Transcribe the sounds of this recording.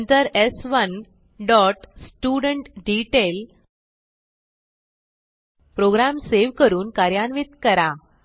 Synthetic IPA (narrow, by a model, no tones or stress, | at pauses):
nt̪əɾesʋən | ɖɔʈsʈuɽəɳʈɖiʈel | pɾoɡɾamseʋkəɾuːnkaɾjanʋit̪kəɾa